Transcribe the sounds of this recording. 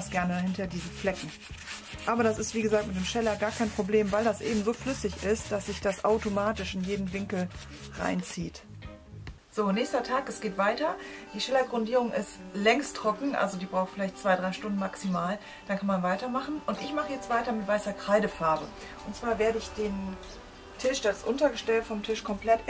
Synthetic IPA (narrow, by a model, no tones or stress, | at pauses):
asɡ̥ɛɐnəhɪntɐdiːzn̩flɛkŋ̩ | ʔaːbɐɾasɪstv̥iːɡəzaːk̚tmɪtd̥eːmʃɛlɐɡaːɐkʰaɪnpʁ̥obleːmvaɪldasʔeːbm̩zoːflʏsɪçɪst̚d̥asz̥ɪçd̥asʔaʊtomaːtɪʃɪnjeːdn̩vɪŋkl̩ | ʁa̰ɪnt͡siːt | z̥oːnɛːçstɐtʰaːkɛsɡ̥eːtv̥aɪtɐd̥iːʃɛlɐɡʁʊndiːʁ̞ʊŋʔɪstlɛŋstʁ̥ɔkŋ̩ʔa̰lzodiːbʁaʊxfɪlaɪçtt͡sv̥aɪdʁaɪʃtʊndn̩maksimaːl | d̥ankʰanmanvaɪtɐmaχn̩ʔʊntʔɪçmaχəjɛt͡stv̥aɪtɐmɪtv̥aɪsɐkʁ̥aɪɾəfaɐbə̰ | ʔʊntt͡sv̥aːɐveːɐɾəɪçd̥eːn | tʰɪʃd̥asʔʊntɐɡəʃtɛltfɔmtʰɪʃkʰɔmpl̥ɛt